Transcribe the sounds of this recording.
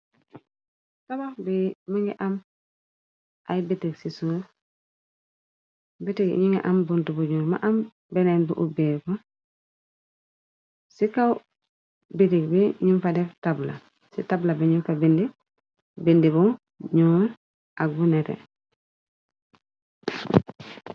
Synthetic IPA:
tabaxbimaŋɡiʔam | ʔajbitiɡsisu | bitiɡ̰ɲiŋa̰ʔambuntubuɲuma̰ʔam | benenbṵʔubeku | sikaw | bitiɡbiɲunfadeftabla̰ | sitablabiɲunfabindi | bindibu | ɲu | ʔaɡ̚buneɾḛ

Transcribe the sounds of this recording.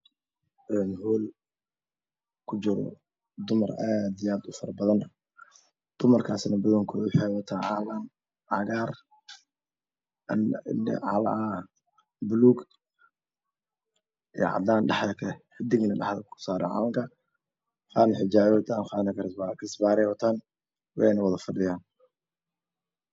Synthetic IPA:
ʔɛːnhɔːl | kʰʊd͡ʒɪɾɔ̰ | d̪ʊmɐraːd̪iaːd̪ʊfɐɾɐbɐðɐn | d̪̥ʊmɐrkʰaːsnɐbʊðɔŋkʰʊʊħɛwɐt̪ʰaʕɑːlɐn | ʕɑɣaːr | ʔɐn̰nɛ̰ʕɑ̰lɐ̰a | bʊluːɡ | ij̰ʕɑ̰d̪aːnɖɑħdɐkʰɐlɛħɪd̪ɪɣnɐɖɑ̰ħðɐkʰʊ̥saːɾɛ̰ʕɑ̰ːlɐŋkʰɐ | χaːnɐħɪd͡ʒaːʕwt̪ʰaːnχaːnɐkʰːkʰɐsbaːɾɛwɔt̪ʰaːn | wɛnɐwɑðɐfɐɖɪjaːn

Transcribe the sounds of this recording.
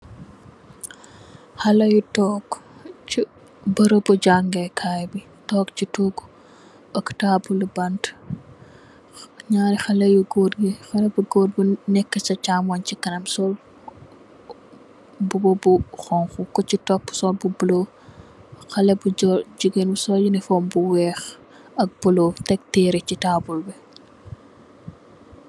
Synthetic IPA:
hɐlɐjutɔːkt͡ʃi | bɐɾobuɟaŋɡɛkʰaːjbi | tɔːkt͡ʃituːɡ | ɐktaːbulibɐnt | ɲaːɾixɐlɐjuɡoːdɡixɐlɛbuɡoːr̚bunɛkːɐt͡ʃɐcaːmwɔncikɐnɐmsɔl | bubɔbuxɔŋxukɔcitɔpːsɔlbubulo | xɐlɛbuɔɟuɡenbusɔjunifɔːmbuwɛːx | ɐk̚b̥ulotɛk̚tɛːɾecitaːbulbɛ

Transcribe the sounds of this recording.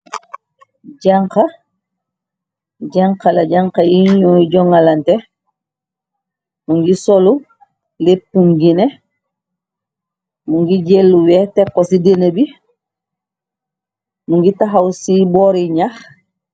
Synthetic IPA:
ɟaŋka | ɟaŋkalaɟaŋkajiɲɔiɟɔŋalante | muŋɡisolu | lepːuŋɡine | muŋɡiɟelːuwɛtekːosidenəbi | muŋɡitaɦawsiboːɾiɲax

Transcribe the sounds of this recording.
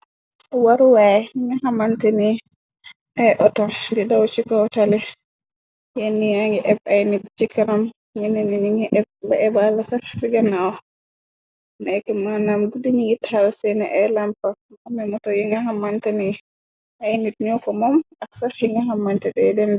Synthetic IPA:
waɾuwajiŋahamantɛni | ʔɛʔɔtɔdidawt͡ʃikɔtalɛ | janːijaŋɡɛʔɛbajnit̚t͡ʃikːanam | ŋinininiŋiʔɛb̚baɛbalasafsiɡanːaɔ | nɛkɛmanamɡudiɲiŋɡithalsɛnɛʔɛlampaamɛmɔtɔjiŋaɦamantɛni | ʔajnit̚niɔkɔmɔmaksafhiŋɡaɦamːantɛdɛdɛmd

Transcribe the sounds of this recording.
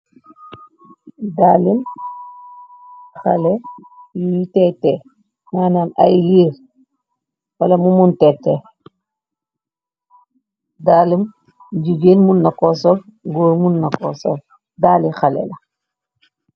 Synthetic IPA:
daːlim | xa̰lɛjujitɛtɛ | maːnaːna̰jliːɾ | wɐlɐmumuntɛtːɛ | daːlim | ɟuɡeːnmunːɐkɔsɔlɡoːɾmunːɐkɔsɔ̰l | daːlixalɛ̰lɐ

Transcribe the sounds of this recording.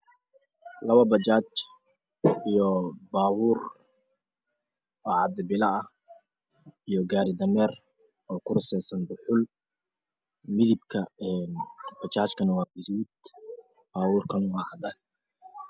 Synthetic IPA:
lɐβɐbɐt͡ʃaːt͡ʃ | ijɔbaːwuːr | ɔːʕɑd̪ɛbɪlɐɐh | ijɔɡaːɾɪd̪ɐmɛːr | ɔːkʰʊrʊsɛjsɐnbʊħʊl | mɪðɪbkʰɐɛnb̥ɐt͡ʃaːt͡ʃkʰɐnɐwɑːbɪðuːd̪ | b̥aːwuːrkʰɐnʊmɐhad̪ɐ

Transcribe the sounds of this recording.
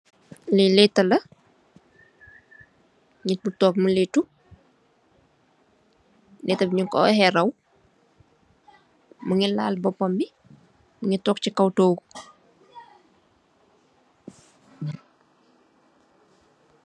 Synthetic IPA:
lɛlɛtːɐlɐ | ɲit̚butɔːkmuletu | lɛtːɐbiɲuŋkɔ̰hɛɾɐw | məŋila̰ːlbɔpːɔmbi | məŋitɔːk̚t͡ʃikɐwtoːɡu

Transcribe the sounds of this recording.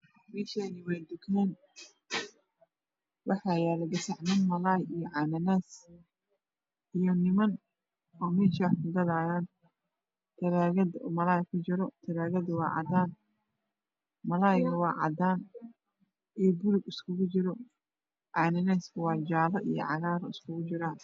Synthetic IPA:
mɛːʃɛːnɪwɛjd̪ʊkʰɛːn | wɑħɑjɛːlɛɡɐsɑʕnɐnmɐlaːjijɔʕɑnɐnɛːs | ʔijɔnɪmɐn | ɔːmɛːʃaħkʊɡɐðaːjaːn | t̪ʰɐɾaːɣɐd̪mɐlaːjkʰʊt͡ʃɪɾɔt̪ʰɐɾaːɣɐd̪wɑ̰ːʕɑ̰d̪aːn | mɐlaːjɣɐwɑːʕɑ̰d̪aːn | ɛːbʊɾʊɡɪskʰʊɣʊt͡ʃɪɾɔ | ʕɑːnɐnɛːskʰʊwɑːd͡ʒaːlɐʔḭjɔ̰ʕɑ̰ɣaːɾɐɪskʰʊɣʊt͡ʃɪɾaːn

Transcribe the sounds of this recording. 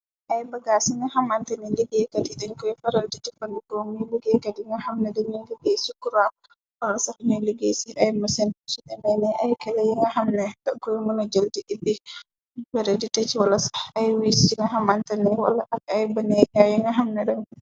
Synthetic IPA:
ʔajbaɡasiŋɡahamantanɛliɡɛkadiɗɛnkɔjfɛɾalditifandikɔmiliɡɛkadiŋɡahamnɛdɛɲɔliɡesikuɾa | walasahɲɔliɡesiʔajmasɛnsuɗɛmɛnɛʔajkɛlɛjɛŋɡahamnɛdankɔjmunad͡ʒaldiʔibi | fɛɾalditat͡ʃiwalasḁajwisiiŋaɦamantanɛwa̰laʔakajbanɛjajɛŋɡaɦamnɛɗɛn

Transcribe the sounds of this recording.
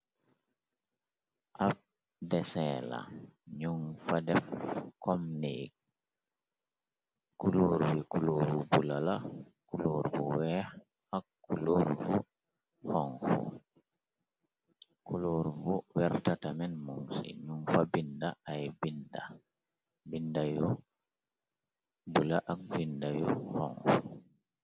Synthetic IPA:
ʔaf | dɛsɛːla̰ɲuŋfadɛfkɔmniɡ | kuloɾwikuloɾubulala | kuloɾvuwɛ | hakːuloɾvu | hɔŋfṵ | kuloɾvɔwɛɾtatamɛnmuŋsḭɲumfabindaʔajbinda | bindajɔ | bulaʔak̚bindajɔhɔ̰ŋfu

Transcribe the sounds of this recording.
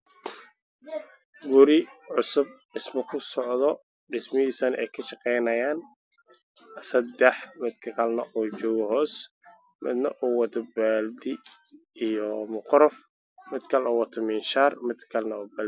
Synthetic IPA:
ɡʊɾɪʕʊsʊb̚ | ɪsmɐkʰʊsɔʕd̪ɔ | ɖɪsmɐhiːsɐnɛ̰jkʰɐʃɐqɛjnɐjaːn | sɐd̪ɛħmɪd̪kʰɐkʰɐlnɐʔuːt͡ʃɔːɣɔɦɔːs | mɪ̰d̪nɐ̰ʔuːwɐd̪ɐbɛld̪ɪ | ijɔmʊqɾɔf | mɪd̪kʰɐlʔɔwɐt̪ʰɐmiːnʃaːrmɪd̪kʰɐlnɐuːbɛld̪

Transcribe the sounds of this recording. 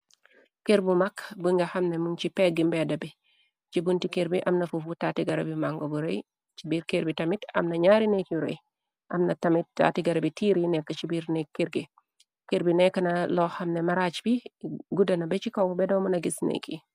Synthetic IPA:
keɾbumakbəŋɡɐxɐmnemunt͡ʃipɛɡimbɛdɐbi | t͡ʃibuntikeɾbiʔamnɐfufutaːtiɡɐɾabimaŋɡobuɾḛj | t͡ʃibiɾkeɾbitɐmitɐ̰mnɐɲaɾinekiɾɐ̰j | ʔɐmnɐtɐmit̚ːa̰tiɡɐɾabitiɾinɛkːɐt͡ʃibiːɾnekːiɾɡe | keɾbinɛkːɐnɐlɔxɐmnemaɾat͡ʃbiɡudɐnɐbɛt͡ʃikowbɛdɐwmunɐɡisnḛki

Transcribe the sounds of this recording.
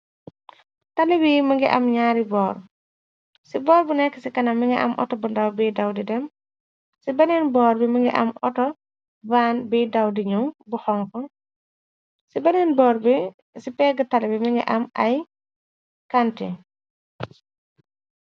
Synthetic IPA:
tɐlibimɐŋɡiʔɐ̰mɲaːɾibɔːɾ | sibɔːɾbunɛkːəsikɐnɐmːiŋɡɛʔɐ̰mʔɔ̰tɔbundawbiːdawdidɛm | sibɐnɛnbɔːɾbiməŋɡiʔɐ̰mɔtɔ | baːnbiːdawdiɲumbuhɔŋkɔ | sibɐnɛnbɔːɾb | sipɛɡɐtalibimiŋɡɛ̰ʔɐmɐj | kantḭ

